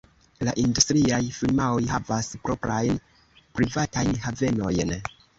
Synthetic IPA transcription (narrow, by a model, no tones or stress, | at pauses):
laʔindustɾiajfilmaojhavaspɾo̞pɾajn | pɾivatajnhave̞no̞jn